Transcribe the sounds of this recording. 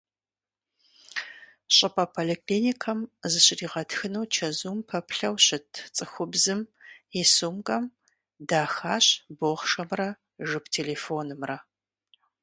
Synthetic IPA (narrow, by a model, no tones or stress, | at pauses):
ɕʼɪpʰʼɐpʰolikʰliːnikʰɐmzɨɕɪriːʁɐtxɨnuwt͡ʃʰɐzuːmpʰɐpʰɬɐwɕɪtʰt͡sʼɨxʷʊbzɨmisuːmkʼɐm | daːxaːɕboːʁʂɐmrɐ | ʒɨptʰeːleːfoːnɨmrɐ